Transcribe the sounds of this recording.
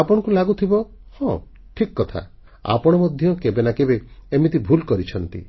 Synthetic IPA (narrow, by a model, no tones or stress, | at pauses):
apɔɽ̃ɔ̃ŋkulaɡut̪ʰibɔ | hɔ̃ | ʈʰikːɔt̪ʰa̰ | a̰pɔɽ̃ɔmɔd̪ʱjɔkebenakebeemit̪ibʱulkɔɾit͡ʃʰɔnt̪ḭ